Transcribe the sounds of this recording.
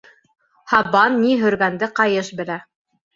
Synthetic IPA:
hɑβɑnːiɦɵ̆ɾɡænd̪ɘqɑjɤʃbɘ̆læ

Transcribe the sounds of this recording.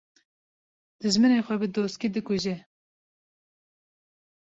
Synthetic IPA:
d̪̥ɨʒmɨneːxʷɛbɨd̪oːst̪kid̪ɨkuʒɛ

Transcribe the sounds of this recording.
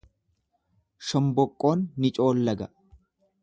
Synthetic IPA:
ʃɔmbɔkʼːo̞ːnːɪt͡ʃʼo̞ːlːɐɡɐ

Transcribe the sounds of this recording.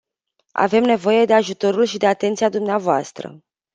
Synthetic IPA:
a̰ve̞mne̞vo̞je̞d̪e̞aʒut̪o̞ɾulʃid̪e̞at̪e̞nt̪siad̪umneavoast̪ɾə̰

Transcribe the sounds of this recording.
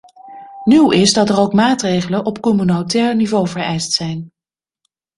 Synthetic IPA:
nywɪzdɑtərowkmaːtrejχələnʔɔpkɔmynowtɛːɹnivowvəɹɛjstsɛjn

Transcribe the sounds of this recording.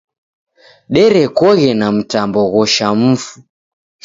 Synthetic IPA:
ɗɛɾɛkɔɣɛnam̩tambɔɣɔʃam̩fu

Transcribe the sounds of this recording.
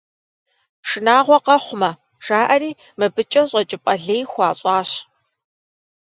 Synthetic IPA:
ʂɨnaːʁʷɔqɐχʷʊmɐ | ʒ̥aːʔɐɾiː | mɨbɨt͡ʃʼɐɕʼɐt͡ʃʼɪpʼɐɮeːjxʷɑːɕʼɑːɕ

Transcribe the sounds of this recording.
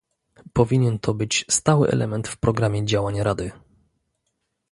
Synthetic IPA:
pɔvʲiɲɛnt̪ʰɔbɘt͡ɕst̪awɘ̰ʔɛ̰lʔɛ̰mɛnt̪fpɾɔɡɾamʲjɛd͡ʑawaɲɾad̪ɘ

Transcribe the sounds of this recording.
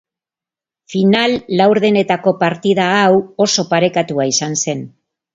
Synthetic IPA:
finalːawɾðe̞ne̞t̪ako̞paɾt̪ið̞aːwo̞so̞paɾe̞kat̪uaisanse̞n

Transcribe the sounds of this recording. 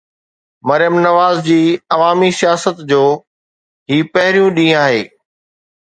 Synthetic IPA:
mɐɾɪjəmnɐʋaːzd͡ʑiːɐʋaːmisijaːsət̪d͡ʑoː | ɦiːpɐɦɪɾijũɗĩːaːɦḛː

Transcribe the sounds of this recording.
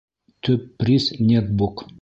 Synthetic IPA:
t̪ʰɵpːɾʲisnʲɛt̪̚buk

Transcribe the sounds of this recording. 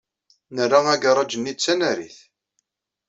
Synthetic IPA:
nərːaæɡərˤɑd͡ʒənːit͡sːænæɾḭθ

